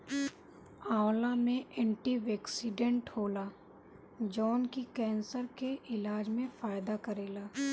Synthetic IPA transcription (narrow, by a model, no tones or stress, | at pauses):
aːlamẽʔɛ̃ːɳʈiʋɛːksɪɖẽɳʈhoːlaː | d͡ʒɔːnkikɛ̃ːnsəɾkeʔɪlaːd͡ʒmẽfaːjd̪akɐɾeːlaː